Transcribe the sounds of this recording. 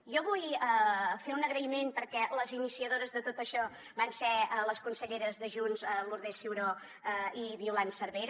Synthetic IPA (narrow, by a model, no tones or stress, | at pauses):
ʒɔβujəfeunəɣɾəimempəɾkɛləzinisiəðoɾəzðət̪ot̪əʃɔ | bansɛələskunsəʎeɾəzðəʒunzəluɾðesiwɾo | əiβiulansəɾβeɾ